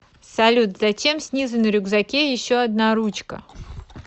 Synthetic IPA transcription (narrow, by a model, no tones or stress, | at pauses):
sɐlʲut̪zɐt͡ɕʲe̞msʲnʲizɨnəɾʲʊɡzɐkʲejɪɕːoɐd̪naɾut͡ɕkə̰